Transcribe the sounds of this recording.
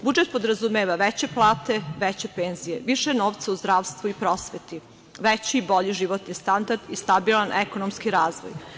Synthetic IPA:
bud͡ʒet̪̚po̞d̪ɾazumeːʋaʋet͡ɕeplˠaːt̪eʋet͡ɕepeːnzijeʋiʃenoːʋt̪sauzd̪ɾaːʋst̪ʋuipɾosʋet̪i | ʋet͡ɕiːbo̞ʎiʒiʋot̪nist̪and̪aɾd̪ist̪abilˠanʔekonomskiɾaːzʋo̰j

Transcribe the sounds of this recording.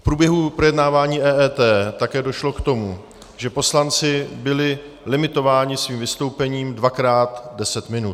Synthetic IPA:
fpɾuːbjɛɦupɾo̞jɛdnaːvaːɲiːʔɛːɛːt̪ɛːt̪akɛːdo̞ʃlo̞kt̪o̞mu | ʒɛpo̞slant͡sɪbɪlɪ | lɪmɪt̪o̞vaːɲɪsviːmvɪst̪o̞wpɛɲiːmdvakɾaːt̪dɛsɛt̪mɪnut̪

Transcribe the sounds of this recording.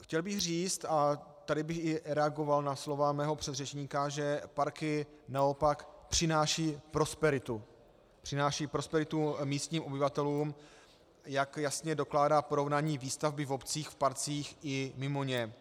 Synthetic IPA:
xcɛlbɪxriːt͡st̪a | t̪adɪbɪxɪɾɛaɡo̞valnaslo̞vamɛːɦo̞pr̝̥ɛd̪rɛt͡ʃɲiːkaʒɛpaɾkɪ | nao̞pakpr̥ɪnaːʃiːpɾo̞spɛɾɪt̪u | pr̝̥ɪnaːʃiːpɾo̞spɛɾɪt̪umiːst̪ɲiːmo̞bɪvat̪ɛluːm | jakjasɲɛdo̞klaːdaːpo̞ɾo̞vnaːɲiːviːst̪avbɪvo̞pt͡siːxfpaɾt͡siːxʔɪmɪmo̞ɲɛ

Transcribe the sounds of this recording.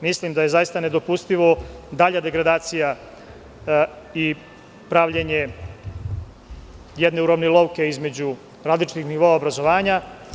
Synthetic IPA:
mislimd̪aje̞zajist̪ane̞d̪o̞pust̪iʋo̞d̪aʎad̪e̞ɡɾad̪aːt̪sija | i | pɾaʋʎeɲe̞ | jed̪ne̞uɾoʋnelo̞wke̞izme̞d͡ʑu | ɾaːd̪lˠit͡ʃi̥t̪ixniʋo̞aobɾazo̞ʋaːɲa

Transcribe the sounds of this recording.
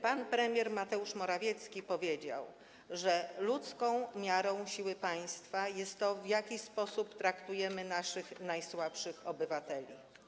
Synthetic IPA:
panpɾɛmʲjɛɾmat̪ɛuʂmɔɾavʲjɛt̪skʲipɔvʲjed͡ʑa̰w | ʐɛlut̪skɔ̃w̃mʲjaɾɔ̃w̃ɕiwɘpaj̃st̪fajɛst̪ːɔvjakʲispɔsupt̪ɾakt̪ujɛmɘnaʂɘxnajswapʂɘxɔbɘvat̪ɛlʲḭ

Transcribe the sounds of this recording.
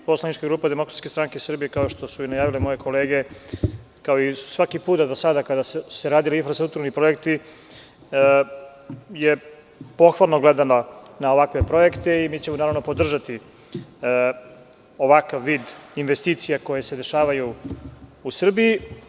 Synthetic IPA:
po̞slˠanit͡ʃkaɡɾuːpad̪emo̞kɾat̪skest̪ɾaŋkeisr̩bijekao̞ʃt̪o̞suinajaːʋilemo̞je̞kʰo̞le̞ːɡe̞ | kaoisu̥sʋakipuːt̪ad̪osad̪akad̪asseɾaːd̪iliinfɾast̪ɾuk̚t̪uɾanipɾo̞je̞kt̪i | je | po̞xʋalˠnoɡled̪ananaoʋakʋe̞pɾo̞je̞kt̪e̞imiːt͡ɕemonaːɾaʋnopod̪r̩ʒat̪i | oʋakaʋːiːd̪inʋest̪iːt̪sijako̞je̞sed̪e̞ʃaːʋajuː | sr̩bii

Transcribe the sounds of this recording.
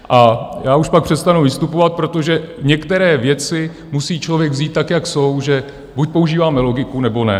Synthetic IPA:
ʔajaːuʃpak̚pr̥ɛst̪anuvɪst̪upovat̪̚pɾo̞t̪oʒɛɲɛkt̪ɛɾɛːvjɛt͡sɪ | musiːt͡ʃlovjɛɡvziːt̪ːakjakso̞wʒɛ | buc̚po̞uʒiːvaːmɛlo̞ɡɪkunɛbo̞nɛ̰

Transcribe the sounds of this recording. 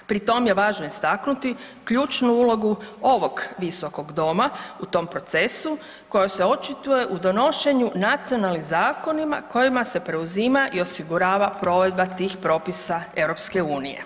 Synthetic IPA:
pɾit̪o̞mje̞ʋaːʒno̞ist̪aknut̪i | kʎuːt͡ʃnuulo̞ɡuo̞ʋo̞ɡʋiso̞ko̞ɡd̪o̞maut̪o̞ːmpɾo̞t̪se̞su | ko̞jose̞o̞t͡ʃit̪uje̞ʔud̪o̞no̞ʃe̞ɲunat̪sio̞nalnizaːko̞nima̰ko̞jimase̞pɾe̞uzimaʔio̞siɡuɾaːʋapɾo̞ːʋe̞d̪̚bat̪iːxpɾo̞ːpisae̞ʋɾo̞pske̞uːnijḛ

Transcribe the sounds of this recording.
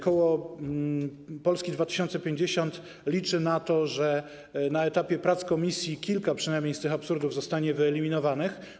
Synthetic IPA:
kɔwɔ | pɔlskʲid̪vat̪ɘ̥ɕɔnt̪sɛpʲjeɲd͡ʑeɕɔnt̪ | lʲit͡ʂɘnat̪ɔʐɛ | naɛt̪apʲjɛpɾat̪skɔmʲisʲjikʲilkapʂɨnajmɲejst̪ɘxapsuɾd̪uvzɔst̪aɲɛvɘɛlʲimʲinɔvanɘx

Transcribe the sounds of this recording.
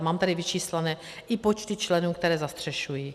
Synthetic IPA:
maːmt̪adɪvɪt͡ʃiːslɛnɛː | ʔɪpot͡ʃt̪ɪt͡ʃlɛnuːkt̪ɛɾɛːzast̪r̝̥ɛʃujiː

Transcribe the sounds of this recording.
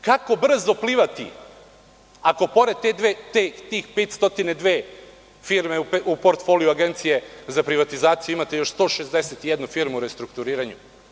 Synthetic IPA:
kako̞br̩zopliːʋat̪ḭ | ako̞po̞ɾed̪̚t̪ed̪ʋet̪et̪iːxpet̪st̪o̞t̪ined̪ʋeː | fiɾmepeupoɾt̪fo̞ːlijuaɡent̪sije̞zapɾiʋat̪izaːt̪sijuimat̪ejo̞ʃst̪o̞ːʃe̞zd̪eset̪ijed̪nufiɾmuuɾe̞st̪ɾukt̪uɾiːɾaɲu

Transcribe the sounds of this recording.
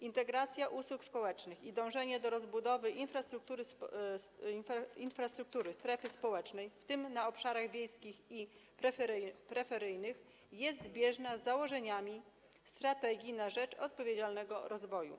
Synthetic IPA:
int̪ɛɡɾat̪sʲjaʔuswukspɔwɛt͡ʂnɘxid̪ɔ̃w̃ʐɛɲɛd̪ɔɾɔzbud̪ɔvɘʔinfɾast̪ɾuk̚t̪uɾɘ | ninfɾast̪ɾuk̚t̪uɾɘst̪ɾɛfɘspɔwɛt͡ʂnɛjft̪ɘmnaɔpʂaɾaɣvʲjejskʲixipɾɛpɾɛfɛɾɘjnɘx | jɛst̪zbʲjɛʐnazːawɔʐɛɲamʲi | st̪ɾat̪ɛɡʲinaʐɛt͡ʂɔt̪̚pɔvʲjed͡ʑalnɛɡɔɾɔzvɔjṵ

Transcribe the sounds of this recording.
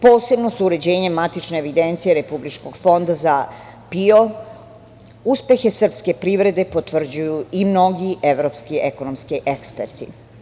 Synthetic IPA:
po̞ːse̞bno̞suuɾe̞d͡ʑe̞ːɲe̞mːat̪it͡ʃneːʋid̪ent̪sijeɾe̞publit͡ʃko̞ɡfo̞nd̪aza | pio | uspe̞xe̞sr̩pske̞pɾiʋɾe̞d̪e̞po̞t̪ʋr̩d͡ʑujuimno̞ɡiʔeʋɾopskiekonomskiʔekspeɾt̪ḭ

